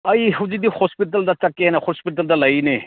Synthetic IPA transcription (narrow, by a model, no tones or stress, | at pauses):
ɐjɦud͡ʒid̪ihɔspiʈ̬ɐld̪atakːeenahɔspiʈɐld̪alɐjne